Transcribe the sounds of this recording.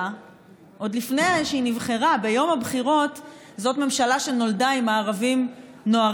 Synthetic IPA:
ʔo̞dlifnejʃeinivχeʁabe̞jo̞mhabχiʁo̞t | zo̞tme̞mʃalaʃe̞no̞ldaimaːʁavim | no̞aʁ

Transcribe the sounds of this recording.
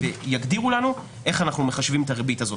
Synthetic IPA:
vejaɡdiʁulanu | ʔe̞χanaχnumeχaʃvimetaʁebitazo

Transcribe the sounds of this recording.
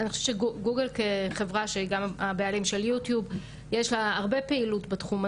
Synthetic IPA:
anixoʃe̥t͡ʃeɡuɡelkeχe̞vʁaʃeiɡamabealimʃe̞ljutjub | jeʃlaːʁbe̞peilutbetχuma

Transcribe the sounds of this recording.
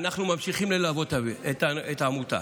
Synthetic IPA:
naχnumamʃiχimlelavo̞t̪aeetaetaːmut̪a̰

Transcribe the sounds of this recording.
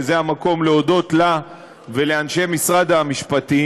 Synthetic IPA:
zeamako̞mleo̞do̞t̪la | ve̞leanʃe̞misʁadamiʃpati

